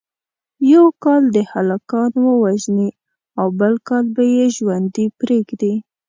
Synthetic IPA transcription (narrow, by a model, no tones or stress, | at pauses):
jawkɑld̪əhalakɑnwəwaʒni | awbəlkɑlbajeʒwand̪ipɾeɡd̪i